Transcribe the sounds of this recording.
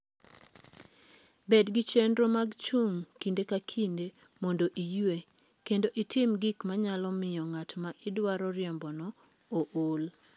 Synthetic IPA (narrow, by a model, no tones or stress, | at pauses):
bedɡit͡ʃendɾomaɡt͡ʃuŋkindekakʰinde | mondoʔijwe | kendoʔɪtʰɪmɡikmaɲalɔmɪjɔŋatmaʔɪdwaɾɔɾɪɛmbɔnɔ | oʔol